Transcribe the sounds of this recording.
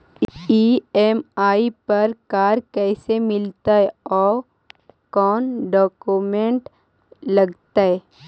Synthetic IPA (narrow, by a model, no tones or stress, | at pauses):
iemaːipɐɾkaːɾkɛːsemɪlt̪aɦɛɔː | kɔːnɖɔːkumẽɳʈ | lɐɡt̪aɦɛ